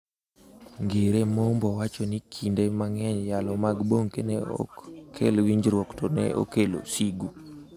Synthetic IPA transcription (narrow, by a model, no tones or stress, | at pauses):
ŋɡeɾemɔmbɔwat͡ʃonikʰindemaŋɛɲjalɔmaɡboŋkenɛɔ̰kʰḛlwiɲd͡ʒɾwɔktonɛ̰ʔo̰kelo̰siɡu